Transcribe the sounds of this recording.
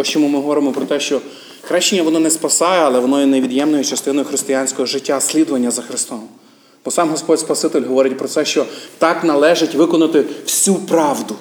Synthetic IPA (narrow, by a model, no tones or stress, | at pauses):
ɔt͡ʃɔmumɪɦɔʋɔɾɪmɔpɾɔt̪ɛʃt͡ʃɔ | xɾɛʃt͡ʃːɪnʲːɐʋɔnɔnɛspɐsɑjɛɐlˠɛʋɔnɔjɛneʋʲid̪jɛmnɔjʊt͡ʃɐst̪ɪnɔjʊxɾɪst̪ɪjanʲsʲkɔɦɔʒɪtʲːasʲlʲid̪ɔʋɐnʲːɐzɐxɾɪst̪ɔm | bɔsɑmɦɔspɔtʲspɐsɪt̪ɪlʲɦɔʋɔɾɪt̚ʲpɾɔsɛʃt͡ʃɔt̪ɑknɐlˠɛʒɪtʲʋɪkɔnɐt̪ɪwsʲupɾɑʋd̪ʊ